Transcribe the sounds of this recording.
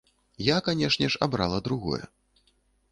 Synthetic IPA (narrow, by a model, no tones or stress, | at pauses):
jakanʲɛʂnʲɛʂa̰bɾalˠɐd̪ɾuɣɔ̰jɛ̰